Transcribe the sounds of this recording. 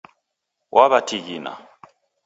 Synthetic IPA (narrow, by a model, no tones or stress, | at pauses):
wʔaβatʰiɣina̰